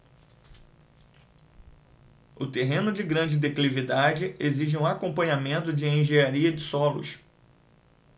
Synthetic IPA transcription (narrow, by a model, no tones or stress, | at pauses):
ʊt̪eɦẽnʊd͡ʒɪɡɾɐ̃d͡ʒɪd̪eklivid̪ad͡ʒɪeziʒɪũakõpɐ̃ɲamẽnt̪ʊd͡ʒɪẽj̃ʒeaɾiɐd͡ʒɪsɔlʊ̰ʃ